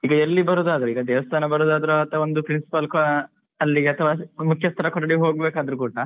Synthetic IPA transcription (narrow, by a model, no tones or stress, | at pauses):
iːɡɐelːibɐɾoːd̪aːd̪ɐɾuiːɡɐd̪eːʋɐst̪ʰaːnɐbɐɾoːd̪aːd̪ɐɾuɐt̪ɐond̪upɾinsi̥pɐlk | ɐlːiɡɐt̪ʰɐʋamukʰjɐst̪ʰɐɾɐkɔɽɐɽiɦoːɡbeːkaːd̪ɐɾukuːʈɐ